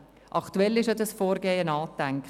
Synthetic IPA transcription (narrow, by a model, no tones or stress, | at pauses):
ʔɑktuɛlɪʃɑdəsfoːɾɡeːənɑːtɛŋk